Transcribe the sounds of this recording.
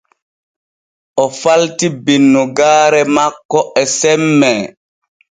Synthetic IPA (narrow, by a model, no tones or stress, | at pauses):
ʔɔfaltibinːuɡaːɾɛmakːɔɛsɛmːɛ